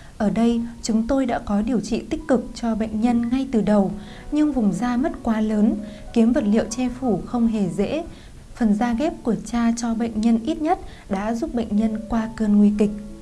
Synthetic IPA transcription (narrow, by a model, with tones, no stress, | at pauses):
ʔəː˧˩ɗə˧jt͡ɕʊ˨˦ŋ͡mt̪o˧jɗa̰ː˧˥kɔ˨˦ɗi˨˩əwt͡ɕḭ˧˨t̪ï˦˥k̟̚kɨ˨˩k̚t͡ɕɔ˧ɓə̰˧˨jŋ̟ɲə˧nŋa˧jt̪ɨ˨˩ɗə˨˩w | ɲɨ˧ŋvʊ˨˩ŋ͡mzaː˧mə˦˥t̚kwaː˨˦ləː˨˦nki˨˦əmvə˨˩t̚lḭ˧˨əwt͡ɕɛ˧fu˧˩xə˧wŋ͡mɦe˧˩zḛ˧˥ | fə˨˩nzaː˧ɣɛ˦˥p̚ku˧˩ət͡ɕaː˧t͡ɕɔ˧ɓə̰˧˨jŋ̟ɲə˧nʔi˦˥t̚ɲə˦˥t̚ | ɗa̰ː˧˥zu˦˥p̚ɓə̰˧˨jŋ̟ɲə˧nkwaː˧kəː˧nŋwi˧kï˨˩k̟̚